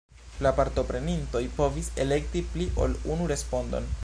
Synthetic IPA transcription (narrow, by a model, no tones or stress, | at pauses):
lapaɾto̞pɾe̞ninto̞jpo̞vise̞le̞k̚tipliʔo̞̰lunuɾe̞spo̞ndo̞̰n